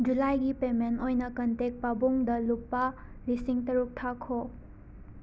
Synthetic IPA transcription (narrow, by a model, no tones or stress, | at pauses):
d͡ʒulajɡipementojnɐkɐntek̚pabuŋdɐlupːɐ | lisiŋtɐɾuk̚tʰakʰo